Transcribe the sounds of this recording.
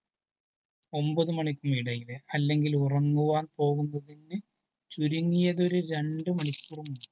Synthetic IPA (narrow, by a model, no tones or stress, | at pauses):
o̞mbɐðɨmɐɳikʲːumiɽɐjileɐlːe̞ŋɡilurɐŋːuʋaːnpo̞ːɣunːɐðinːɨ | t͡ɕuɾuŋːijɐðo̞ɾuɾe̞ɳɖɨmɐɳikʲːurumuɳɖɨ